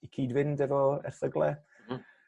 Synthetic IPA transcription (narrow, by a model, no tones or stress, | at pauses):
ikʰiːdvɪndɛvɔɛ̰rθəɡlˠɛ